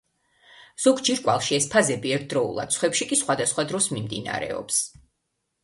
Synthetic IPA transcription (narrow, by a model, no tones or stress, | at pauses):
z̥ɔɡd͡ʒiɾkʼwalˠʃiɛspʰazɛbiɛɾt̪̚ʰd̪ɾɔṵlˠa̰d̪̚sʰχwɛpʃikʼisχwad̪asχwad̪ɾɔsmimd̪ḭna̰ɾɛ̰ɔ̰ps